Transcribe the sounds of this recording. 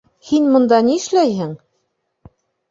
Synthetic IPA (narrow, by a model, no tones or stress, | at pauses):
hinmŏnd̪ɑniɘ̆ʃlæjhɘŋ